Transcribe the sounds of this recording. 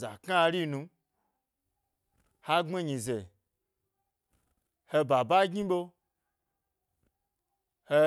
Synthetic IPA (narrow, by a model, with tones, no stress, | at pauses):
za̰˨ka˦˨ɾi˦nũ˧ | ha˦ŋ͡me˦ɲĩ˨ze˨ | he˧ba˨ba˦ɡĩ˦ɓo˦˧ | he˧